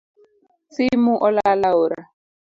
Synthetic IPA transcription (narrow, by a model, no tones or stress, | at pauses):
simuʔɔlalaoɾa̰